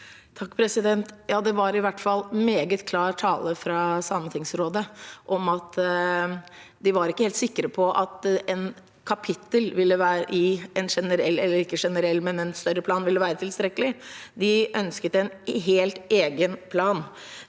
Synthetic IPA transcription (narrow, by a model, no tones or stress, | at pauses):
t̪ʰɑkːpʰɾɛsɪd̪ɛnt̪jɑːd̪ɛʋɑɾɪʋæʈːfɑlːmeːɡət̪kʰlɑːɾʈʰɑːləfɾɑsɑmːət̪ʰɪŋsɾoːd̪əʔɔmɑt̪ | d̪ɪʋɑɾɪkːəheːlt̪sɪkːəɾəpʰɔʔɑt̪ɛn | kʰɑpʰɪt̪ːəlʋɪlːəʋæːɾəʔɪɛnʂɛnəɾɛlːɛlːəɾɪkːəʂɛnəɾɛlːmɛnɛnst̪œɾəpʰlɑːnʋɪlːəʋæːɾət̪ʰɪlst̪ɾɛkəlɪd̪ɪʔœnskət̪ɛnɦeːlt̪eːɡənpʰlɑːn